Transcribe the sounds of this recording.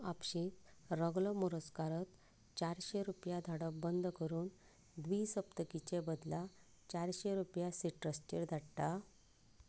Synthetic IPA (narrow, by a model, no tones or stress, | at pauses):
apɕiːt̪ɾəɡlɔmuɾəskaɾət̪ | t͡ɕaɾɕeɾupjad̪ʱaɽəbənd̪ʱkəɾuːn | d̪ʋisəpt̪əkit͡ɕebəd̪la | t͡ɕaɾɕeɾupjasiʈɾəsʈḭɾd̪ʱaɽʈ̪a